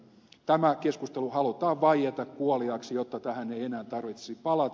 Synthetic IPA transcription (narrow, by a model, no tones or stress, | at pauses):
t̪æmækeskust̪eluhɑlut̪ɑːʋʋɑijet̪ɑkkuoliɑksijot̪ːɑt̪æhæneienæːnt̪ɑrʋit̪se̥sipɑlɑt̪